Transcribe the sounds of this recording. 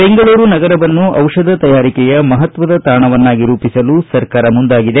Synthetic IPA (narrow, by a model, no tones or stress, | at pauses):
be̞ŋɡɐɭuːɾunɐɡɐɾɐʋɐnːuʔɐwʂɐd̪ʱɐt̪ɐjaːɾikɛjɐmɐɦɐt̪ʋɐd̪ɐt̪aːɳɐʋɐnːaːɡiɾuːpisɐlusɐɾkaːɾɐmund̪aːɡid̪e̞